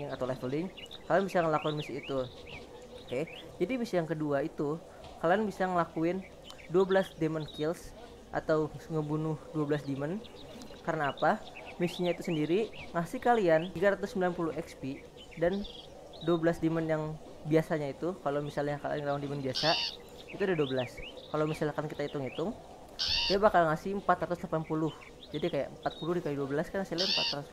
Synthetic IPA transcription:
at̪awlafolɪŋkalaanbisaŋəlakuɪnmisiːt̪u | oked͡ʒadimisijaŋkəduait̪u | kalaanbisaŋəlakuɪn | duabəlasdemənkɪls | ʔa̰t̪awŋəbunʊhduabəlasdimən | kaɾənaːpamisiɲait̪usəndiɾiŋasɪhkalianiɡaɾat̪ʊsːəmbilanpulʊhɛkspi | dan | duwabəlasdimənjaŋ | biasaɲait̪ukalawmisalɲakaŋlawandimənbiasa | it̪udaduabəlaskalawmisalkankit̪ait̪ʊŋit̪ʊŋ | diabakalŋasɪəmpat̪ɾat̪uslapanpulʊh | d͡ʒadikaja̰ʔəmpat̪̚pulʊhdikajaduabəlaskaŋasilampa̰t̪rat̪us

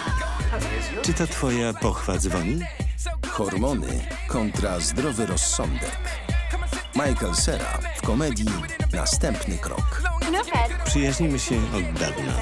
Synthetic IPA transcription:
t͡ʂɘt̪at̪fɔjapɔxfad̪zvɔɲi | xɔɾmɔnɘ̰ | kʰɔnt̪ɾazd̪ɾɔvɘɾɔsːɔnd̪ɛ̰k | majkɛlsɛɾa̰fkɔmɛd̪ʲji | na̰st̪ɛmpnɘkɾɔ̰k | pʂɘjaʑɲimɘɕɛʔɔd̪̚ːavna̰

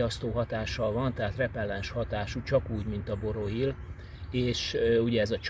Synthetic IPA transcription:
ɒst̪oːɦɒt̪aːʃɒlvɒnt̪ɛɦaːt̪rɛpɛlːɛnʃhɒt̪aːʃut͡ʃɒkuːɟmint̪ɒbo̞ɾo̞il | eːʃuɟɛɛzɒt͡ʃ

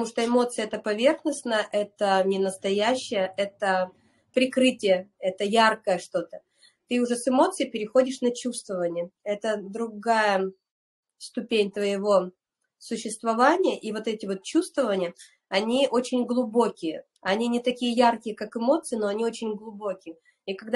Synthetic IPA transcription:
ət̪muʂt̪oɪmo̞t̪sɨjəɛt̪əpɐvʲe̞rxnəsnəjəʔɛt̪ənʲɪnəst̪ɐjæɕːɪjəʔɛt̪ə | pɾʲɪkɾɨtʲɪjəɛt̪əjarkəjəʂt̪o̞t̪ə̥ | t̪ɨʊʐɛsɨmo̞t̪sɨjɪpʲɪɾʲɪxo̞dʲɪʂnɐt͡ɕust̪vəvənʲɪjəɛt̪əd̪ɾʊɡajə | st̪ʊpʲenʲt̪vəjɪvo̞ | sʊɕːɪst̪vɐvanʲɪjəʔivo̞t̪ɛtʲɪvo̞t̪̚t͡ɕust̪vəvənʲɪjə | ɐnʲiʔot͡ɕɪnʲɡlˠʊbo̞kʲɪjə | ɐnʲinʲɪt̪ɐkʲijəjarkʲɪjəkakɨmo̞t̪sɨɪno̞ɐnʲio̞t͡ɕɪnʲɡlˠʊbo̞kʲɪjə | ikɐɡd̪

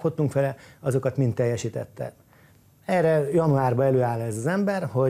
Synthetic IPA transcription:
ho̞t̪ːuŋkfɛlɛɒzo̞kɒt̪mint̪ːɛjːɛʃiːt̪ɛ̰t̪ːɛ̰ | ɛrɛjɒnuaːrbɒɛløːaːlɛzɒzɛmbɛrho̞

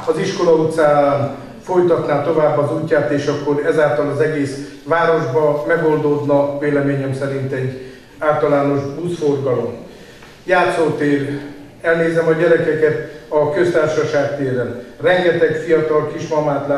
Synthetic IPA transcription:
ɒziʃko̞lɒut̪saːaːn | fo̞jt̪ɒt̪naːt̪o̞vaːbːɒzuːcːaːt̪eːʃɒkːo̞ɾɛzaːlt̪ɒlɒzɛɡeːs | ʋaːɾo̞ʒbɒmɛɡo̞nd̪od̪nɒveːlɛmeːɲɛmsɛɾint̪ɛɟː | aːlt̪ɒlaːno̞ʒbuːsfo̞rɡɒlo̞m | jaːt̪soːt̪eːr | ɛlneːzɛmɒɟɛɾɛkɛkɛt̪ɒkøst̪aːrʃɒʃaːk̚t̪eːɾɛnrɛŋɡɛt̪ɛkfijɒt̪ɒlkiʃmɒmaːt̪la

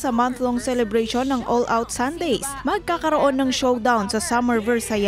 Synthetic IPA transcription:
sɐmanθloŋsɛlɛbɾeʃo̞nːɐŋʔolʔawt̪sand̪ejsmɐɡ̚kaːkɐɾoʔo̞nːɐŋʃowd̪awnsɐsamɛɹvɛɹsɐj

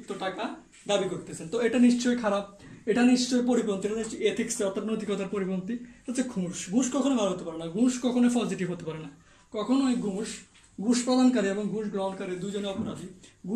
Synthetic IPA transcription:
t̪oʈaka | d̪abikoɾt̪et͡ɕʰent̪oeʈaniʃt͡ɕojkʰaɾab̚eʈaniʃt͡ɕojpoɾibɾont̪ieʈaniʃt͡ɕojet̪ʰikseɔɾt̪ʰat̪not̪ikɔt̪aɾpoɾibɾont̪it̪at̪ːt͡ɕʰeɡʱũʃɡʱũʃkɔkʰonobʱalɦot̪epaɾenaɡʱũʃkɔkʰonoejpɔd͡ʑiʈiɦot̪epaɾena | kɔkʰonoeɡʱũʃ | ɡʱũʃpɾɔd̪ʱankaɾieboŋɡʱũʃɡlɔnkaɾed̪ud͡ʑoneɔpoɾaʃiɡu

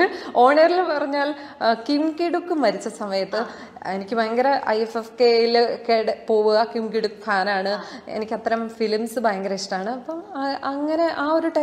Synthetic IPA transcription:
o̞ːɳeːrilupɐrɐɲːaːl | kimkiɽukːɨmɐɾit͡ɕːɐsɐmɐjɐt̪ːɨ | enikʲːɨbɐjɐŋɡɐɾɐʔɐ̰jefefkejilkeɽpo̞ːʋuɣɐkimkiɽukːɨfʰaːnaːɳɨḛnikʲːɐt̪ːɐɾɐmfilmsɨbɐjɐŋɡɐɾeʂʈaːɳɨɐpːɐmɐŋːɐne̞ʔaːo̞ɾuʈɐ

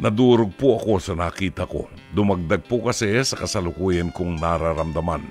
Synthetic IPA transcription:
nɐd̪uːɾoɡ̚pʊʔɐko̞sɐnaːkiːt̪ɐko̞̰d̪ʊmɐɡ̚d̪aɡ̚pʊkɐsɛsɐkɐsɐlʊkuːjɐnkʊŋnaɾaɾɐmd̪ɐman

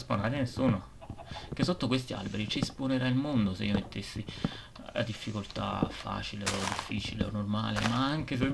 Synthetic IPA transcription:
spanaːɾanesuːno | k̟esːot̪ːokwest̪ia̰lbeɾit͡ʃisponeɾailmond̪osḛiːomet̪ʰːesːi | la̰d̪ifːikolt̪a̰fa̰ːt͡ʃileod̪ifːiːt͡ʃilḛo̰nːorma̰ːlemaaŋkes̬o

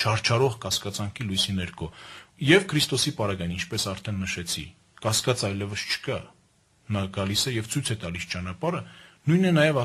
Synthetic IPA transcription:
t͡ʃʰɑɾt͡ʃʰɑɾɔʁkɑskɑt͡sɑŋkʰilujsinɛɾkʰɔjɛvkʰəɾist̪ɔsipɑɾɑɡɑjnint͡ʃʰpɛsɑɾt̪ʰɛnːəʃɛt͡sʰḭ | kɑskɑt͡sɑjlɛvəst͡ʃʰə̥kɑ | nɑɡɑlisɛjɛvt͡sʰujt͡sʰɛt̪ɑlist͡ʃɑnɑpɑɾənujnɛnɑjɛvɑ

